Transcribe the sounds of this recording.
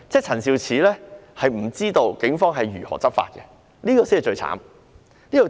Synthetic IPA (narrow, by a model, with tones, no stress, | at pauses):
t͡sɛː˥t͡sʰɐ˨˩nsiː˧wt͡sʰiː˨˥lɛː˥hɐ˨jm̩˨˩t͡siː˥t̪o˧wkɪ˨˧˥ŋfɔː˥ŋɦɐ˨jɥyː˨˩hɔ̰ː˨˩t͡sɐ˥p̚fa̰ː˧t̚kɛ˧ | niː˥kɔː˧siː˥nhjt͡ʃɵ˧ɥt͡sʰa̰ː˨˥m | nliː˥o˨˧˩